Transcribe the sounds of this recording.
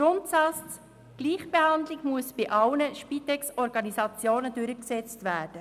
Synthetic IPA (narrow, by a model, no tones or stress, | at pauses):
ɾʊntsɑt͡st͡s | ɡ̥liːχb̥ehɑndlɪɡmuəsb̥ɪʔɑlnəʃpit̪ɛksɔɾɡɑnizɑt͡sjoːnədʉɾəksɛt͡stʋæːd̥ə